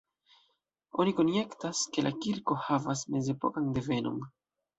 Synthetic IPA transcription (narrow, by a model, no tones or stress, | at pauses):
o̞niko̞nje̞ktaske̞lʔakiɾko̞havasme̞ze̞po̞̰kande̞ve̞no̞̰n